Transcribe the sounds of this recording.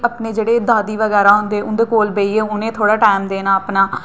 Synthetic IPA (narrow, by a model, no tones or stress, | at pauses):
ʔəpneːd͡ʒeːɽeːd̪aːd̪iːʋəɣɛːɾaːɦʊnd̪eːʊnd̪eːkoːlbeiːeːʊnẽːt̪ʰoːɽaːʈaːɪmd̪eːnaːəpnaː